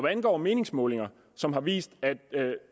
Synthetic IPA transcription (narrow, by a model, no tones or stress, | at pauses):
ʋæænɡ̥ɒ̰ːme̝ːne̝ŋsmɔ̽ːle̝ŋɐ | sɒ̽mɦɑ̈ʋḭːsd̥æd̥